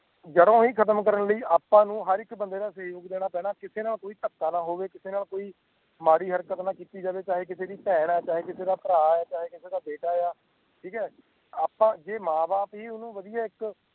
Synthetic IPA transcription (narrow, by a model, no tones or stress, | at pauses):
d͡ʒədõːɦiːkʰət̪̬əmkəɾənləiːaːpãːnũːɦəɾɪkbənd̪eːd̪aːseːjoːɡd̪eːɽ̃aːpɛːɽaːkɪseːnaːlkoːiːt̪əkːaːnaːɦoːʋeːkɪseːnaːlkoːiː | maːɽiːɦəɾkət̪nãːkiːt̪iːd͡ʒaːʋeːt͡ʃaːɦeːk̬ɪseːd̪iːpɛːɳɛːt͡ʃaːɦeːkɪseːd̪aːpəɾaːaːt͡ʃaːɦeːkɪseːd̪aːbeːʈaːjaː | ʈʰiːkɛː | aːpãːd͡ʒeːmãːbaːpɦiːʊnũːʋəd̪ijaːɪk